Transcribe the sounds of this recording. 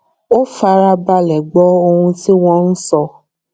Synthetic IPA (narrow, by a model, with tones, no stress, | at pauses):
o˦fa˧ɾa˧ba˧lɛ˨ɡ͡bɔ˨˦o˧hũ˧ti˦w̃ɔ̃˦n̩˦sɔ˧